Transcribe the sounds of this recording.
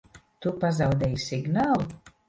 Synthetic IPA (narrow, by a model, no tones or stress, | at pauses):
t̪upazawd̪ɛːjsiɡnaːlˠu